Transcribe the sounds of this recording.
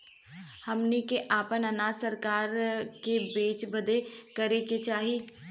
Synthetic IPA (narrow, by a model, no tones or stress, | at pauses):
hɐmnikeʔaːpənənaːsəɾkaːɾkebeːt͡ʃbɐd̪ekɐɾeket͡ʃaːɦiː